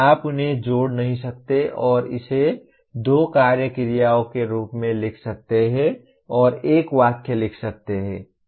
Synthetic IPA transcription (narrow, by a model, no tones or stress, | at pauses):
aːpʊnɦẽd͡ʒoːɽnɐɦĩsɐk̚t̪eʔɔːɾɪ̰se | d̪oːkaːɾjəkɪɾijaːõkeɾuːpmẽlɪkʰsɐk̚t̪eɦɛ̃ | ɔːɾeːkʋaːkʰjəlɪkʰsɐk̚t̪eɦɛ̰̃ː